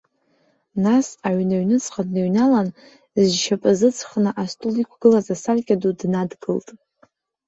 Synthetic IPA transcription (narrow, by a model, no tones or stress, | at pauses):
nasaʕnaɥnɨt͡sʰʼχadnaɥnalan | zʃʰapʼɨzɨt͡sʰχnɨʔastʼulikʷʰɡ̥ɨlazasarkʲʼadudnadɡɨltʼ